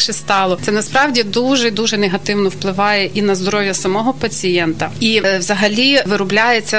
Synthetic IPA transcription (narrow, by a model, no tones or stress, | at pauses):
ʃɪst̪ɑlˠɔt̪sɛnɐspɾɑwdʲid̪uʒɛd̪uʒɛnɛɦɐt̪ɪwnɔwplˠɪʋɑjɛʔinɐzd̪ɔɾɔwʲjɐsɐmɔɦɔpɐt͡sʲijɛnt̪ɐiʋzɐɦɐlʲiʋɪɾʊblʲajet͡sʲːɐ